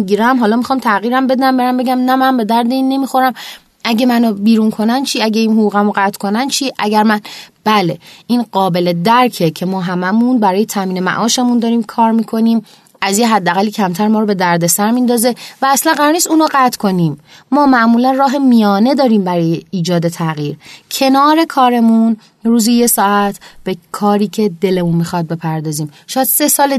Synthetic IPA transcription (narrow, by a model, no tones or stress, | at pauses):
iɟiɾæmɦɒːlɒːmixɒːmt̪ʰæɣiːɾæmbe̞d̪æmbe̞ɾæmbe̞ɟæmnæmænbe̞d̪æɾd̪e̞iːnːe̞mixo̞ɾæm | ʔæɟe̞mænobiːɾunkʰo̞nænt͡ʃʰiæɟeinɦoɡuːɣæmoɢæt̪ʰkʰo̞nænt͡ʃʰiːʔæɟæɾmænb̥æle̞ʔiːnɢɒːbe̞le̞d̪æɾcʰecʰe̞mɒːɦæmæmunbæɾɒːjet̪ʰæmiːne̞mæ̰ʔɒːʃemund̪ɒːɾiːmkʰɒːɾmiːkʰo̞niːm | æzjeɦæd̪ːæɣælːiːcʰæmt̪ʰæɾmɒːɾobe̞d̪æɾd̪e̞sæɾmind̪ɒːze̞væːslænɢæɾɒːɾniːst̪uːnoɢæt̪kʰo̞niːmmɒːmæʔmuːlænrɒːɦe̞mijɒːne̞d̪ɒːɾiːmbæɾɒːjeiːd͡ʒɒːd̪e̞t̪ʰæɣiːɾcʰe̞nɒːɾe̞kʰɒːɾe̞mun | ruːzije̞sɒːæt̪ʰb̥e̞kʰɒːɾiːcʰe̞d̪e̞le̞munmixɒd̪̚be̞pʰæɾd̪ɒːziːmʃɒːjæd̪̥se̞sɒːle